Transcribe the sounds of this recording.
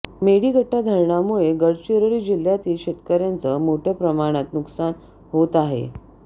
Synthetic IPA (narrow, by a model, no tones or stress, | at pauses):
meɽiːɡʱəʈːad̪ʱəɾɳamuɭeɡəɽt͡ɕeɾəɾiːd͡ʑil̤jat̪iːlɕet̪kəɾjant͡səmoʈʰjapɾəmaɽ̃at̪nuksan | ɦot̪aɦḛ